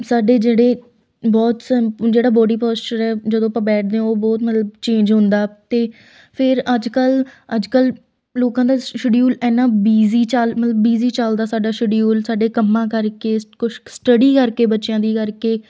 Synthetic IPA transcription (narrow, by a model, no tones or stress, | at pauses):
saːɖeːd͡ʒeːɽeː | bɔːt̪sd͡ʒeːɽaːbɔːɖiːpɔːsʈəɾɛːd͡ʒəd̪õːəpãːbɛːʈ̚ʰd̪ẽoːbɔːt̪mət̪ləbt͡ʃẽːɲd͡ʒɦʊ̃nd̪aːt̪eː | pʰɪɾəd͡ʒkələd͡ʒkəl | loːkãːd̪aːʃɪɖijuːlɛːnãːbiːziːt͡ʃalmət̪ləbːiːziːt͡ʃaːld̪aːsaːɖaːʃəɖijuːlsaːɖeːkəmːãːkəɾkeːkʊʃsʈəɖiːkəɾkeːbətːʃjãːd̪iːkəɾkeː